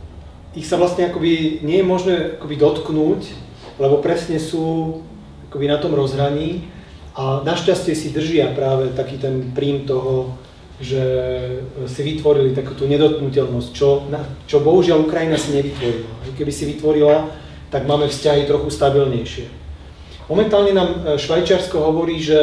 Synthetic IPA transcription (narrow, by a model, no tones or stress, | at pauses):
ixsaʋlast̪ɲɛakɔbiɲɪɛjɛmɔʒnɛːakɔbid̪ɔt̪knuːc | lɛbɔpɾɛsɲɛsuː | akɔbinat̪ɔmɾɔzɦɾaɲiː | ʔanaʃcascɪɛsid̪r̩ʒɪapɾaːʋɛt̪akiːt̪ɛnpɾiːmt̪ɔɦɔ | ʒɛ | siʋit̪ʋɔɾilit̪akuːt̪uːɲɛd̪ɔt̪̚knucɛlnɔsct͡ʃɔnat͡ʃɔbɔɦuʒɪalukɾajinasiɲɛʋit̪ʋɔɾilaɛkɛbisiʋit̪ʋɔɾila | t̪aɡmaːmɛfscaɦit̪ɾɔxust̪abilɲɛjʃɪɛ | mɔmɛnt̪aːlɲɛnaːmʃʋajt͡ʃɪaɾskɔɦɔʋɔɾiːʒɛ